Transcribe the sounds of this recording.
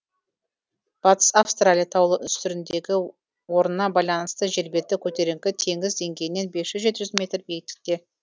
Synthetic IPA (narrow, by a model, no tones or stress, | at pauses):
b̥ɑt̪ə̥safst̪ralʲijat̪ʰɑwlˠəʔʏst̪ʏɾɪnd̪e̞ɡʲɪ | wo̞ɾənːɑbɑjlˠɑnəst̪əʒe̞ɾbe̞t̪ːɪkʲʰɵt̪e̞ɾe̞ŋkʲɪt̪ʰe̞ŋɡʲɪzd̪e̞ŋɡʲe̞jɪnːe̞nbe̞sʒʏzʒe̞t̪ɪʒʏzmʲe̞t̪rbeɡɪt̪ɪ̥k̚t̪e̞